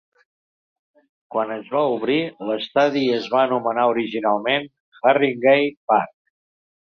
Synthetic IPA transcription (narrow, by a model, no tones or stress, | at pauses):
kwanəzβauβɾiləst̪aðiəzβaənumənauɾiʒinalˠmen | xariŋɡejpark